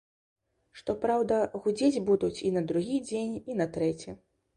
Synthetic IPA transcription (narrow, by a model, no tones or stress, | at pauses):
ʂt̪ɔpɾawd̪ɐɣud͡zʲed͡zʲbud̪ut͡sʲinɐd̪ɾuɣʲid͡zʲenʲinɐt̪ɾɛt͡sʲi